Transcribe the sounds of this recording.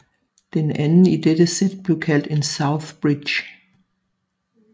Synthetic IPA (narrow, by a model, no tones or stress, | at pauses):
ð̥ɪ̃nɛ̃nidɪdəsɪt̚b̥lukʰɛldɪ̃nsaʊθb̥ɹɪ̥d͡ʒ